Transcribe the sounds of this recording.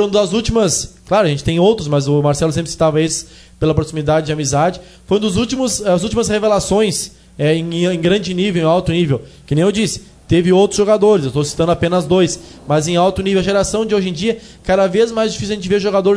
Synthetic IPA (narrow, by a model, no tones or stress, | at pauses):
oɾũd̪ɐzut͡ʃimɐsklaɾʊaɐʒẽt͡ʃɪ̥t̪ẽj̃owt̪ɾʊsmɐzʊmaɾsɛlʊsẽmpɾɪsi̥t̪avɐesɪ̥s | pelɐpɾosimid̪ad͡ʒɪd͡ʒɪamizad͡ʒɪ | foj̃ũd̪ʊzut͡ʃimʊsd̪ɐzuwt͡ʃimɐshevelasõj̃s | ɛẽj̃ẽɡɾɐ̃d͡ʒɪnivewẽawt̪ʊnivewkɪnẽj̃ewd͡ʒisɪ̥ | t̪evɪowt̪ɾʊz̥ʒoɡad̪oɾɪszewst̪osi̥t̪ɐ̃d̪ʊapẽnɐzd̪ojs | mɐzẽj̃awt̪ʊnivewɐʒeɾasɐ̃w̃d͡ʒɪoʒẽd͡ʒiɐ | kad̪avezmajzd͡ʒifisuwɐʒẽnt͡ʃɪveɾʒoɡad̪oɾ